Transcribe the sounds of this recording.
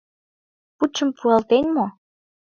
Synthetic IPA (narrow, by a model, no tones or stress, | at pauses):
put͡ɕːə̆mpʰuɑlt̪enʲmo